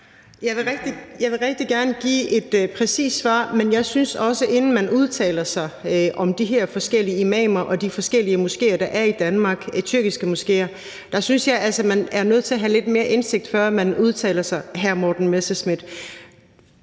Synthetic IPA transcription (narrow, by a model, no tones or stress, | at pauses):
jɑ̈ɪʋe̝ʁɛɡ̥d̥ijɑ̈ɪʋe̝ʁɛɡ̥̚d̥iɡ̥æɐnəɡ̥ḭːe̝d̥pʰʁɛsḭːd̥sʋɑ̰̈ːmenjɑ̈ɪsynsɒ̽səʔe̝nn̩mænuð̞ˠt͡sʰɛ̰ːlɐsɑ̈ɪʔɒ̽md̥iɦæɐ̰fɒ̽sɡ̥el̰iəimɛ̰ːmɐʔɒ̽d̥ifɒ̽sɡ̥el̰iəmusɡ̥e̝̰ːɐd̥ɑ̈ʔæɐid̥ænmɑ̈ːɡ̥t͡sʰyɐɡ̥isɡ̥əmusɡ̥e̝̰ːɐ | d̥ɑ̈synsjɑ̈ɪʔælsəmænæɐnøð̩ˠt͡sʰe̝ɐɦæle̝d̥me̝ːɐʔe̝nse̝ɡ̥̚d̥fɶɐ̰mænuð̞ˠt͡sʰɛ̰ːlɐsɑ̈ɪɦæɐmɒːd̥n̩mesesmid̥